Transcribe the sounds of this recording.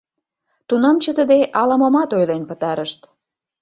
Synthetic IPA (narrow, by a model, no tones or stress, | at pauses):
t̪unɑmt͡ɕət̪əd̪eʔɑlɑmɑmɑt̪ojlenpət̪ɑɾəʃt̪